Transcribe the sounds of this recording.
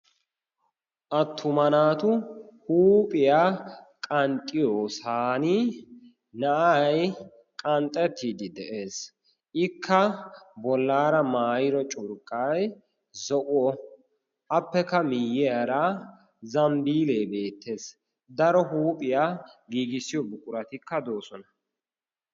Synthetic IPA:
ʔɐt̪ʰːʊmɐnaːt̪ʊhuːpʼɪjakʼɐnt̪ʼːɪjoːsaːnɪ | nɐʔaj | kʼɐnt̪ʼːɛt̪ʰːiːd̪ɪd̪ɛʔe̞ːs | ʔɪkʰːɐbɔlːaːɾɐmaːjɪɾɔt͡ʃʼʊɾkʼːɐj | zɔʔʊɔ | ʔɐpːɛkːɐmɪjːɛɐɾɐ | zɐmbiːleːbe̞ːt̪ːe̞ːs | d̪ɐɾɔɦuːpʼɪjaɡiːɡɪsɪjɔbʊkʼʊɾɐt̪ɪkːɐd̪oːsɔnɐ

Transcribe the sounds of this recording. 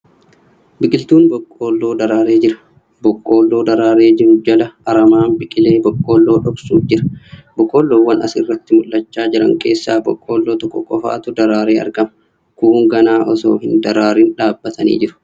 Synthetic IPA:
bɪkʼɪlt̪uːnbɔkʼːo̞ːlːo̞ːd̪ɐɾaːɾe̞ːd͡ʒɪɾɐ̥ | bɔkʼːo̞ːlːo̞ːd̪ɐɾaːɾe̞ːd͡ʒɪɾʊd͡ʒɐlɐɐɾɐmaːnbɪkʼɪle̞ːbɔkʼːo̞ːlːo̞ːᶑɔksuːfd͡ʒɪɾɐ̥bɔkʼːo̞ːlːoːwːɐnɐ̰sɪrːɐt̪ːɪmʊlːɐt͡ʃːaːd͡ʒɪɾɐ̰ŋke̞̰ːsːa̰ːbɔ̰kʼːo̞ːlːo̞ːt̪ɔkːɔkʼɔfa̰ːt̪ʊd̪ɐɾaːɾe̞ːɐ̰ɾɡɐmɐ | kuːŋɡɐnaːʔɔso̰ːhɪnd̪ɐɾaːɾɪnᶑaːbːɐt̪ɐnḭːd͡ʒɪɾʊ̥

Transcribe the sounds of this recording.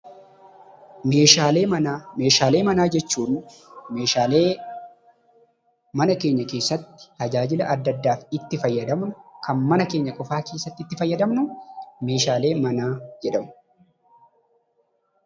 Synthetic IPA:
me̞ːʃaːle̞ːmɐname̞ːʃaːleːmɐnaːd͡ʒɛt͡ʃːuːᶑʊmeːʃaːleː | mɐnɐke̞ːɲːɐke̞ːsːɐt̪ːɪ̥t̪ɐd͡ʒaːd͡ʒɪlɐʔɐd̪ːɐd̪ːaːfɪt̪ːɪfɐjːɐd̪ɐmnʊkɐnmɐnɐke̞ːɲːɐkʼɔfaːke̞ːsːɐt̪ːɪt̪ːɪfɐjːɐd̪ɐmnʊme̞ːʃaːle̞ːmɐnaːd͡ʒɛᶑɐmʊ̥

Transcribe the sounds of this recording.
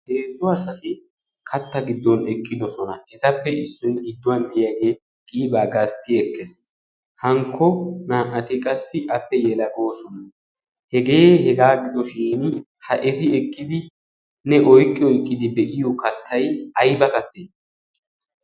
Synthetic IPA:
heːzʊɐsɐt̪ɪ | kʰɐt̪ːɐɡɪd̪ːɔnɛkʼːɪd̪ɔsɔnɐʔɛt̪ɐpːɛɪsːʊnɡɪd̪ːʊwɐnd̪ɪjaɡe̞ː | kʼiːbaːɡɐst̪ːɪɛkːɛs | hɐŋkʰːɔnaːʔɐt̪ɪkʼɐsːɪʔɐpːɛjɛlɐɡoːsɔnɐ | hɛɡe̞ːhɛɡaːɡɪd̪ɔʃiːn | hɐʔɛt̪ɪɛkʼːɪd̪ɪ | nɛʔɔjkʼːɪɔjkʼːɪd̪ɪbɛʔɪjɔkɐt̪ʰːɐjɐjbɐkɐt̪ːeː

